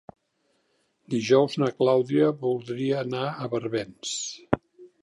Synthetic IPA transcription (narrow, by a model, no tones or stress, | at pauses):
d̪iʒɔwznəklawðiəβulˠd̪ɾiəːnaəβəɾβɛns